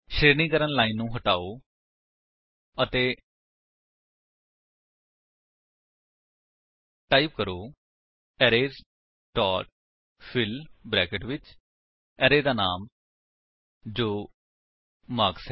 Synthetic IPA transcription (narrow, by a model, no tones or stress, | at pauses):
ʃɾeːɾnĩːkəɾənlaːiːnːũːɦəʈaːoː | ət̪eː | ʈaːiːp̚kəɾoː | ɛːɾeːz | ʈɔːʈ̚ | pʰɪlbɾɛːkəʈʋɪt͡ʃ | ɛːɾeːd̪aːnaːm | d͡ʒoː | maːksɛ